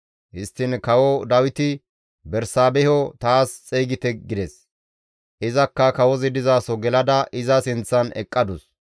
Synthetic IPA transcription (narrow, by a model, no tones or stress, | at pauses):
ʔɪst̪ːɪnkɐwɔd̪ɐwɪt̪ɪ | bɛɾsaːbɛhɔt̪aːst͡sʼɛjɡɪt̪ɛɡɪd̪ɛs | ʔɪzɐkːɐkɐwɔzɪd̪ɪzaːsɔɡɛlɐd̪ɐʔɪzɐsɪnt͡sːɐnɛ̰kʼːɐd̪ʊs